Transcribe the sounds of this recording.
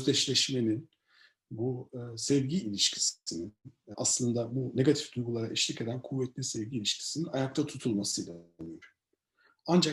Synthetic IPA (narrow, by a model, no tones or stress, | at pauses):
øzd̪ɛt͡ʃlʲɛʃme̞nin | busɛvɟiːlʲiʃcʰi̥sinina̰slˠɯnd̪abune̞ɡat̪ʰifd̪ujɡulˠaɾaʔiʃlʲice̞d̪ænkʰuvːɛt̪lʲisɛvɟiːlʲiʃcʰi̥sininajak̚t̪ʰat̪ʰut̪ʰulˠmasɯilʲaijoɾ̥ | and͡ʒa